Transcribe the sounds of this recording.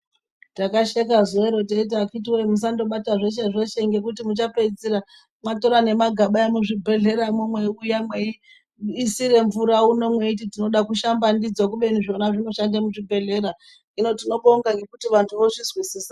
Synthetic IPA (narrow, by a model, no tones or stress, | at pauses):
takaʃekazoeɾo̞teit̬akit̬iwoimus̬ando̞ɓataʐeʃ̬eʐeʃeŋɡe̞kutimut͡ʃape̞d͡ziɾa | mato̞ɾane̞maɡʱaɓajemuʐibʱe̞ɮe̞ɾamumweujamwei | isiɾe̞ɱvuɾauno̞mwe̞it̬itino̞ɗakuʃambandid͡zwakuɓe̞niʐonaʐino̞ʃandamuʐibʱe̞ɮe̞ɾa | ino̞tino̞ɓouŋɡaŋɡe̞kutiʋantʰuʋoʐizwisiːsḁ